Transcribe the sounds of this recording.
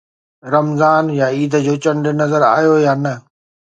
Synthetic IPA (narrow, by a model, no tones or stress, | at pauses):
ɾɐmzaːnjaiːd̪ʱəd͡ʑoːt͡ɕɐɳɖənɐzəɾa̰ːijojaːnɐ